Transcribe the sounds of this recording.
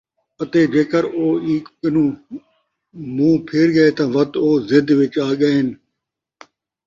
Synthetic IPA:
ɐt̪eːd͡ʒeːkəɾoːiːkkɪnũː | mũːpʰeːɾɡɐet̪ãːʋɐt̪oːzɪd̪ʋɪt͡ʃaːɠɐɦɪn

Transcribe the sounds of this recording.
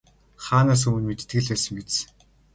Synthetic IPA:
χaːnaːs̬umɘ̆nmet̪ʰt̪ɡɘ̆ɮpæːsə̆ŋɡet͡s

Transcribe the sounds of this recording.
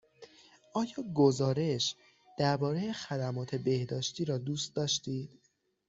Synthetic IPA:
ʔɒːjɒːɡozɒːɾe̞ʃ | d̪̥æɾbɒːɾe̞jexæd̪æmɒːt̪ʰe̞be̞hd̪ɒːʃt̪iːɾɒːd̪uːst̪̚d̪ɒːʃt̪iːd̪̥

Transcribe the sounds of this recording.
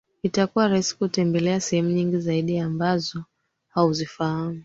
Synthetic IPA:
itakuwaɾaisi̥kutɛmbɛlɛasɛhɛmuɲiŋɡizaiɗiambazɔ | hauzifahamu

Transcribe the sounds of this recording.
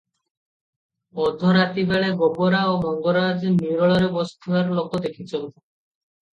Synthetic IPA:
ɔd̪ʱɔɾat̪ibeɭeɡɔboɾaomɔŋɡɔɾad͡ʒniɾɔɭɔɾebɔst̪ʰubaɾlokod̪ekʰit͡ʃʰɔnt̪

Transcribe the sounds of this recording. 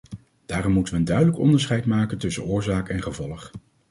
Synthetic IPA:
d̥aːrɔmːutəʋəːndœɥdələkɔ̰ndəɹsχɛjtmaːkəntɵsə̰nʊːɹzaːkɛnχəvɔlˠəχ

